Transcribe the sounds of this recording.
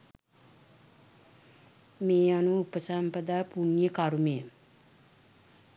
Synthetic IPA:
meːanuupəsampəd̪ajpunjəkaɾumem

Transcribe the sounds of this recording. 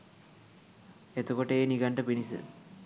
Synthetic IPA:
et̪ukoʈeːniɡɐɳɖɐpinisɨ̰

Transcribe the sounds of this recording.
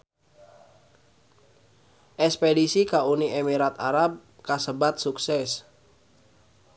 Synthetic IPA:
ʔɛspedisikauniʔemiɾat̪a̰ɾap̚ | kasəbat̪̚suksɛs

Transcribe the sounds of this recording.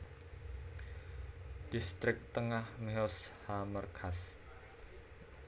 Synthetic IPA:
d̥ist̪ɾɪk̚t̪əŋahmeɔshamərkʰas

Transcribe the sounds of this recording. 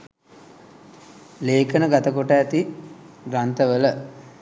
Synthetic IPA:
leːkənəɡat̪əkoʈaːt̪iɡɾant̪əʋələ

